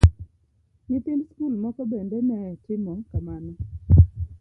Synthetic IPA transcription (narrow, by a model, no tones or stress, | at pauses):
nɪt̪ɪnskulmɔkɔbendɛmɛɛtɪmɔkamanɔ